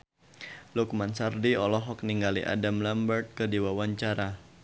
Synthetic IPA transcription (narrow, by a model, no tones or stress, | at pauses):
lukmansardiɔlɔɦɔk̚niŋɡalḭʔa̰damlambərt̪̚kədiwawaɲt͡ʃaɾa